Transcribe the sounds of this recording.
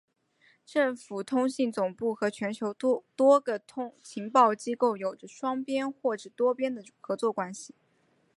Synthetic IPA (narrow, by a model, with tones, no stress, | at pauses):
ʈ͡ʂɤ˥˩ŋfu˨˩t̪ʰʊ˥ŋɕi˥˩ŋt͡sʊ˨˩ŋpu˥˩xɤ˧˥t͡ɕʰɥɛ˧˥nt͡ɕʰjo˧˥ʊtt̪wɔ˥ɡə˨t̪ʰʊ˥ŋt͡ɕʰi˧˥ŋpɑ˥˩ʊt͡ɕi˥ko˥˩ʊjo˨˩ʊʈ͡ʂə˦ʂwɑ˥ŋpjɛ˥nxwɔ˥˩ʈ͡ʂ̩˨˩t̪wɔ˥pjɛ˥nd̪ə˨xɤ˧˥t͡swɔ˥˩kwa˥nɕi˨˩